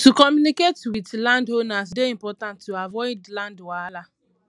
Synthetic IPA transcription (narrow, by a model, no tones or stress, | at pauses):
tukɔmjuniketwitlandhonas̬deim̩pɔtãntːuavɔɪdlãndwala